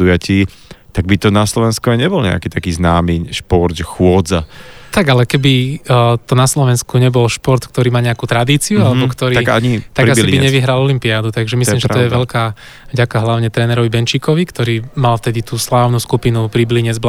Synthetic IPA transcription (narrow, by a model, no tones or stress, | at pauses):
ujaciː | t̪aɡ̚bit̪ɔnaslɔʋɛnskuaɪɲɛbɔlɲɛ̰akiːt̪akiːznaːmiːʃpɔɾt̪ʒɛxʊɔdd͡za̰t̪aɡalɛkɛbit̪ɔnaslɔʋɛnskuɲɛbɔlʃpɔɾt̪kt̪ɔɾiːmaːɲɛakuːt̪ɾad̪iːt͡siualɛbɔkt̪ɔɾiːaɲit̪aɡɾɡasibiɲɛʋiɦɾalɔlimpiaːd̪ut̪aɡʒɛmisliːmʒɛt̪ɔjɛʋɛʎkaː | vɟakaɦlaʊɲɛt̪ɾɛːnɛɾɔʋibɛnt͡ʃikɔʋikt̪ɔɾiːmalft̪ɛd̪it̪uːslaːʊnuskupinupɾibliɲɛd͡zb